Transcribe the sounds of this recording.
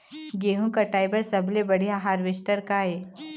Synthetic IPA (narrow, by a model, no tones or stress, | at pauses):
ɡeːɦũkaʈaːɪbəɾsɐbʱlebɐɽ̤ijaɦaːɾʋɪʃʈəɾkaːeː